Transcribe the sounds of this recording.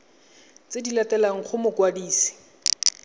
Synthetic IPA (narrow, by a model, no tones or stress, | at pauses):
t͡sedilatɛlaŋ̩χʰʊmʊkwadiːsi̥